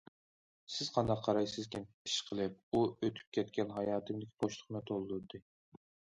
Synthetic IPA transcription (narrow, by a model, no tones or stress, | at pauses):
sɪz̥qʰɑnd̪ɑqʰːɑɾɑjsɨzkʲʰim | i̥ʃqʰəlˠɨp̚uøt̪ʰy̥p̚kʲʰɛt̪kʲɛnɦɑjɑːt̪ʰɨmd̪ɪkʲboʃt̪ʰˠʊ̥χnɨt̪ʰolˠlɨɾd̪ɨ